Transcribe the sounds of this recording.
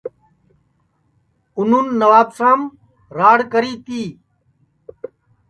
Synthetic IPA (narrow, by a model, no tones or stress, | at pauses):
ʊnuːnːəʋaːbsãːm | ɾaːɽkəɾiːt̪iː